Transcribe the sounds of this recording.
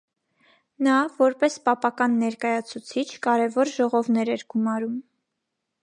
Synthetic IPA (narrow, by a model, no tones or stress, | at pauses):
nɑvɔɾpɛspɑpɑkɑnːɛɾkɑjɑt͡sʰut͡sʰit͡ʃʰkɑɾɛvɔɾʒɔʁɔvnɛɾɛɾɡumɑɾum